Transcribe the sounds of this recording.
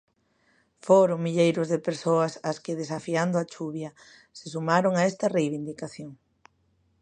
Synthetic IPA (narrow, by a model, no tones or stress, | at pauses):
foɾʊŋmiʎejɾʊzðepeɾsoɐsɐskɪðesafiand̪ʊat͡ʃuβjɐ | sesumaɾoŋaɛst̪ɐrejβind̪ikaθjoŋ